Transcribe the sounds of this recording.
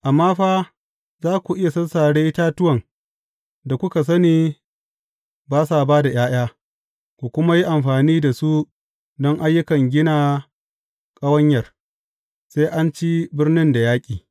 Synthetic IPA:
ʔa˨mːaː˦ɸaː˦ | zaː˦kʷu˨ʔɪ˦ja˨sɐ˦nsaː˨ɽeː˦ʔɪ˦taː˦tʊ˦wɐ˨ŋ | da˨kʷʊ˦ka˨s̬ɐ˦niː˦ | baː˦saː˨baː˦da˨jaː˦j̰aː˦ | kʷu˨kʷʊ˦ma˦ji˦ʔa˨mɸaː˨niː˦da˨su˦ | dɔ˦ŋʔa˦jːʊ˦kɐ˨ŋɡʲɪ˦naː˦ | kʼɐ˦wɐ˦ɲjɐ˨r | se˦ʔa˦nt͡ʃi˦bɪ˦rnɪ˦nda˨jaː˦kʲʼiː˨

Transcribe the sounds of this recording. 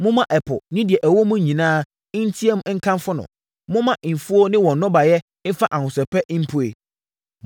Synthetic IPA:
mʊ̃˦mã˦ʔɛ˨pʰɔ̰˨nɪ̃˦dɪ˨ɛ˨ʔæ˨wɔ˦mʊ̃˦ɲĩ˨nãː˦ | n̩˦tʰi˦e˦m̃˦ŋ̩˦kʰã˦nfʊ˦nʊ̰̃˨ | mʊ̃˦mã˦ʔ̩˨fu˦ɔ˦nɪ̃˦wɔ̃˨nːɔ̃˦ba˨jɛ˦ | n̩˦fa˦ʔa˨hʊ̃˨sɛ˨pʰɛ˦ʔm̩˦pʰu˦ḛ˨

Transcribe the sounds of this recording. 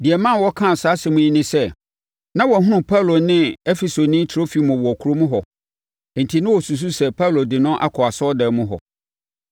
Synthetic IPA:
di˨ɛ˨mã˦nwɔ˦kʰã˦˨saː˨˦sɪ˨mʊ̃˦i˦nɪ̃˦sɛ˦ | nã˦wɔ˨ɦʊ̃˦ʊ̃˨pʰa˦lo˨nɪ̃˦ɛ˦fe˨so˨nɪ̃˦tʰɾo˦fi˨˦mʊ̃˨wɔ˨ɔ˨kʰu˨ɾo˦mũ˦ɦɔ˨ | ɛ˨n̩˨tʰi˨nʊ̃˦wɔ˨su˨s̬u˦sɛ˦˨pʰa˦lo˨dɪ˨nʊ̃˦ʔa̰˦kʰɔ˨a˨sɔ˦dɛ˨mʊ̃˦ɦɔ̰˨

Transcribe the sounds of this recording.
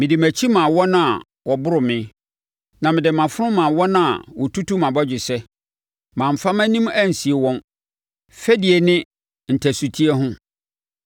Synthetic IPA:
mɪ̃˨dɪ˨mæ̃˨t͡ɕʰi˦mã˨wɔ˦nã˨ | wɔ˨bʊ˦ɾʊ˨mɪ̃˦ | nã˨mɪ̃˨dɪ˨mã˨fʊ˦ɾʊ̃˦mã˨wɔ̃˦nã̰˦˨wɔ˨tʰu˦tu˦mã˨bɔ˦d͡ʑᶣɪ˨sɛ˦ | mã˨m̩˨fa˦maæ̃˦nĩ˦mæ˦˨n̩˨si˨e˨wɔ̃˦n | fɛ˦di˨e˨nɪ̃˦ | n̩˨tʰæ˨su˨tʰi˦ɛ˦ɦʊ̃˦

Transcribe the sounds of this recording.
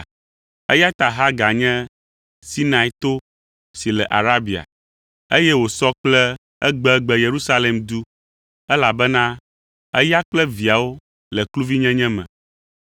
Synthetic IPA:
ɛ˦ja˦t̪a˨ɦa˦ɡa˨ɲɛ̃˦ | si˦nã˨i˦t̪o˦ | si˨lɛ˨ʔa̰˨ɾa˦bi˨a̰˨ | e˦jɛ˦wo˨sɔ˦k͡plɛ˦ | ɛ˦ɡ͡bɛ˦ɡ͡bɛ˦je˨ɾu˦sa˦le˨md̪u˦ | ɛ˦la˨bɛ˦nã˦ | ɛ̰˦ja˦k͡plɛ˦vi˨a˨wo˦ | lɛ˨klu˦vi˦ɲɛ̃˦ɲɛ̃˦mɛ̰̃˨

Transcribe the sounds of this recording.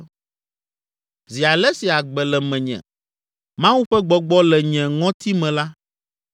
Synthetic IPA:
zi˨a˨lɛ˦si˨a˨ɡ͡bɛ˨lɛ˨mɛ̃˨ɲɛ̰̃˨ | mã˦wu˦ɸɛ˦ɡ͡bɔ˨ɡ͡bɔ˦lɛ˨ɲɛ̃˨ŋɔ̃˦t̪i˦mɛ̃˨la˦

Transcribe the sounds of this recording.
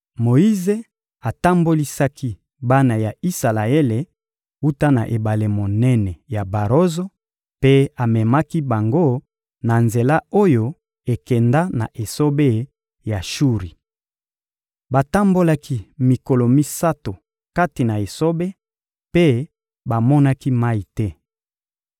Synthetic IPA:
mo˨i˦ze˦ | a˨ta˦mbo˦li˦sa˦kʰi˦ | ba˦na˨ja˨i˦sa˨la˨e˦le˨ | u˦ta˦na̰˨ʔe˨ba˨le˨mo˨nɛ˦nɛ˨ja˨ba˨ʁo˦zo˦ | pe˦a˨mɛ˨ma˦ki˦ba˨ŋɡo˦ | na˨nze˨la˦o˦jo˦ | e˨kɛ˨nda˦na̰˨ʔe˨so˦be˦ | ja˨ʃu˦ʁi˨ | ba˨ta˦mbo˦la˦ki˦mi˨ko˨lo˨mi˦sa˦to˨ | ka˦ti˨na˨e˨so˦be˦ | pe˦ | ba˨mɔ˦na˦ki˦ma˦i˨tɛ˦

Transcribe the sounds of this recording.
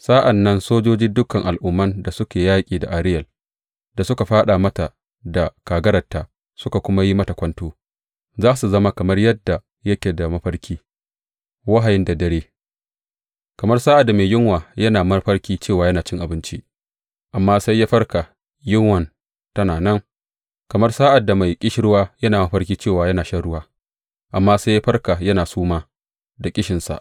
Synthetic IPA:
saː˦ʔa˨nːɐ˦nsoː˦d͡ʒoː˦d͡ʒi˦dʊ˦kɐ˨ŋʔa˨lʔʊ˦mːɐ˦nda˨sʊ˦kʲeː˨jaː˦kʲʼiː˨da̰˨ʔa˨ɾɪ˦jɐ˨l | da˨sʊ˦ka˨ɸaː˦ɗa˨mɐ˦ta˨ | da˨kaː˨ɡɐ˦ɾɐ˨tːaː˨ | sʊ˦ka˨kʷʊ˦ma˦ji˦mɐ˦tɐ˨kʷɐ˦ntoː˦ | zaː˦su˨zɐ˦ma˦kɐ˨mɐ˦rjɐ˦dːa˨ | jɐ˦kʲeː˨da˨mɐ˦ɸɐ˦rkʲiː˦ | wɐ˦ɦa˨jɪ˦nda˨dɐ˦ɽeː˦ | kɐ˨mɐ˦rsaː˦ʔa˨dːa˨meː˨jɪ˦ŋwaː˨jɐ˦naː˨mɐ˦rɸɐ˦ɽkʲiː˦t͡ʃeː˦˨waː˨jɐ˦naː˨t͡ʃɪ˦ŋʔa˨bɪ˦nt͡ʃi˦ʔ | ʔa˨mːaː˦sa˦jːa˦ɸɐ˦rka˨ | jɪ˦ŋwɐ˨n | tɐ˦naː˨nɐ˦ŋ | kɐ˨mɐ˦rsaː˦ʔa˨dːa˨ma˨jkʲʼɪ˦ʃɪ˦ɾʊ˦waː˦jɐ˦naː˨mɐ˦ɸɐ˦rkʲiː˦t͡ʃeː˦˨waː˨jɐ˦naː˨ʃɐ˦ɽʊ˦waː˦ | ʔa˨mːaː˦sa˦jːa˦ɸɐ˦rka˨jɐ˦naː˨suː˦maː˦ | da˨kʲʼɪ˦ʃɪ˨nsa̰˨ʔ

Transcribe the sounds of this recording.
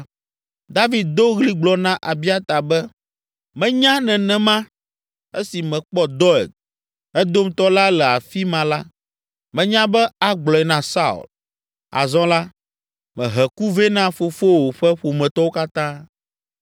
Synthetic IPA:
d̪a˦vi˨d̪̚d̪o˦ɣli˦ɡ͡blɔ˨nã˦ʔa˨bi˦a˦t̪a˨bɛ˦ | mɛ̃˦ɲã˦nɛ̃˨nɛ̃˨mã˦ | e˦si˨mɛ̃˨k͡pɔ˦d̪ɔ˦ɛ̰˨ɡ̚ | ɛ˦d̪o˦mt̪ɔ˦la˦lɛ˨a˨fi˦mã˨la˦ | mɛ̃˨ɲã˦bɛ˦a˨ɡ͡blɔ˨ɛ˨nã˨sa˦ṵ˨l | a̰˨zɔ̃˦la˦ | mɛ̃˨ɦɛ˨ku˦ve˦nã˦fo˨fo˦wo˨ɸɛ˦ɸo˨mɛ̃˨t̪ɔ˦wo˦ka˦t̪ã˦

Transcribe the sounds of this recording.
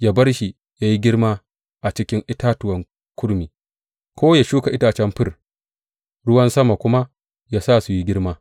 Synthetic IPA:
jaː˦bɐ˦rʃi˨ | ja˦ji˦ɡʲɪ˦ɽmaː˦ | ʔa˨t͡ʃɪ˦kʲɪ˦ŋʔɪ˦taː˦tʊ˨wɐ˦ŋ | kʷʊ˦ɽmiː˨ | kʷoː˦ja˨ʃuː˦ka˨ʔɪ˦taː˨t͡ʃɛ˦mɸɪ˦˨r | ɽʊ˦wɐ˦nsɐ˦ma˨kʷʊ˦ma˦ | ja˦saː˦su˨ji˦ɡʲɪ˦ɽmaː˦

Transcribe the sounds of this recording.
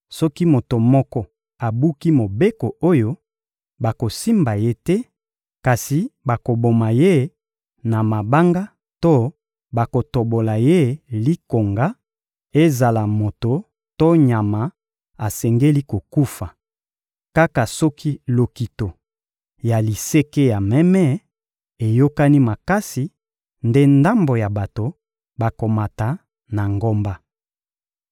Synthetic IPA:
sɔ˦ki˦mo˨to˨mɔ˦kɔ˦ | a˨bu˦ki˦mo˨be˦ko˨o˦jo˦ | ba˨ko˨si˦mba˨je˦tɛ˦ | ka˨si˨ba˨ko˨bo˨ma˨je˦ | na˨ma˨ba˦ŋɡa˦ | to˦ | ba˨ko˨to˨bo˨la˨je˦li˦ko˨ŋɡa˦ | e˦za˨la˨mo˨to˨ | to˦ɲa˨ma˨ | a˨sɛ˨ŋɡe˦li˦ko˨ku˦fa˨ | ka˦ka˨sɔ˦kʰi˦lo˨ki˨to˨ | ja˨li˨se˦ke˦ja˨mɛ˦mɛ˦ | e˨jo˦ka˦ni˦ma˨ka˦si˨ | nde˦nda˦mbo˨ja˨ba˨to˨ | ba˨ko˨ma˨ta˨ | na˨ŋɡo˦mba˦

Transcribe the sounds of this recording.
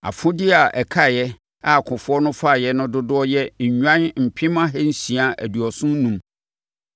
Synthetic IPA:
a̰˨fʊ̃˦dɪ˦a˨ʔɛ˨kʰa˦˨jɛ˦ | a˨kʰʊ̃˨fʊ˦ɔ˦nʊ̃˦fa˦˨jɛ˦nʊ̃˦dʊ˦dʊ˦ɔ˦jɛ˦ɲ̩˨ɲᶣã˦nm̩˨pʰɪ̃˦mã˦ɦɛ˦n̩˦sĩ˨a˦ʔæ̰˨du˨ɔ˨sʊ̃˦n˦nũ˦m

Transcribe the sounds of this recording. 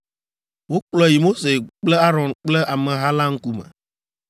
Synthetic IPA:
wo˦k͡plɔ˦ji˨mo˦se˨k͡plɛ˦a˦ɾɔ̃˨nk͡plɛ˦ʔa˨mɛ̃˨ɦa˦la˦ŋ̩˦ku˦mɛ̰̃˨

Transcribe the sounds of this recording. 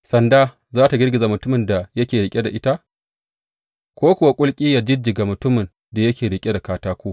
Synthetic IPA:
sɐ˨ndaː˦ | zaː˦ta˨ɡʲɪ˦rɡʲɪ˨zaː˨mʊ˨tʊ˦mɪ˨nda˨jɐ˦kʲeː˨ɽɪ˨kʲʼe˦da˨ʔɪ˦ta˦ʔ | kʷoː˦kʷʊ˨wa˦kʷʼʊ˦lkʲʼiː˦ja˨d͡ʒɪ˦d͡ʒɪ˨ɡa˨mʊ˨tʊ˦mɪ˨n | da˨jɐ˦kʲeː˨ɽɪ˨kʲʼe˦da˨kaː˦taː˦kʷoː˦

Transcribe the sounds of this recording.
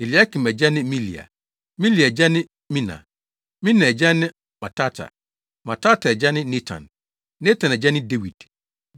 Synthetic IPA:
e˨li˨a˦kʰi˨mɛ˨d͡ʑɛ˦nɪ̃˦mĩ˦lḭ˨a̰˨ | mĩ˦li˨d͡ʑɛ˦nɪ̃˦ | mĩ˦nã̰˨ | mĩ˦nã˨ɛ˨d͡ʑɛ˦nɪ̃˦ | mã˨tʰa˦tʰa̰˨ | mã˨tʰa˦tʰa˨ɛ˨d͡ʑɛ˦nɪ̃˦ne˦tʰã̰˨nː | e˦tʰã˨nɛ˨d͡ʑɛ˦nɪ̃˦de˦wi˨d̥

